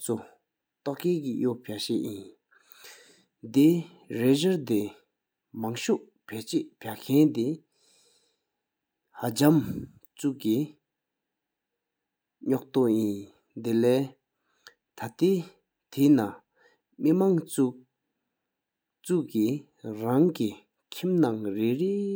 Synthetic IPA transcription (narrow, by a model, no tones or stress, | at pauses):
t͡sʰu | t̪oʔkeːkijoʔpʰaʔɕeʔjin | d̪e | ɹeʑaɹt̪e | maŋɕuʔ | pʰet͡ɕeʔpʰakʰɛnt̪i | hat͡ɕam | t͡suʔki | ɲɔʔ̚t̪oʔjin | d̪elɛː | t̪ʰat̪eː | t̪ʰena | mimaŋt͡su | t͡suʔki | ɹaŋki | kʰimnaŋɹeʔɹe